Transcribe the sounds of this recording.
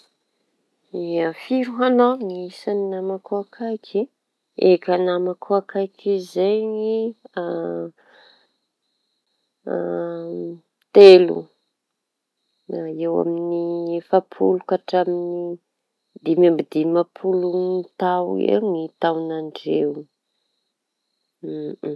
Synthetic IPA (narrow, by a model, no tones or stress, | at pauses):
iafiɾuɦanoŋiisaninamakuakʰajkʰi | ekənamakʰuakajkʰizajŋia | t̪elṵ | aewa̰minifapʰṵlukaʈ͡ʂamini | d̪imambid̪imapʰuluit̪awḛŋit̪awnaɳɖ͡ʐewu